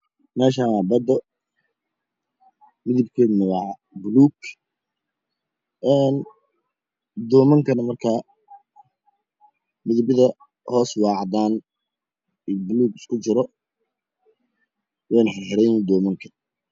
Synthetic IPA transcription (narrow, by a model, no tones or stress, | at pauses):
mɛːʃaːabɐd̪ɔ | mɪðɪbkʰɛːd̪mɐɣɑʕ | bʊluːɡ | ɛːn | d̪ɔːmɐŋkʰɐnɐmɐrkʰaː | mɪðɪbɪðɐ | hɔːswɑːʕd̪aːn | ɪbʊluːɡɪ̥skʰʊt͡ʃɪɾɔ | wɛːnħɛrħɛɾɛjnd̪ɔːmɐŋkʰɐ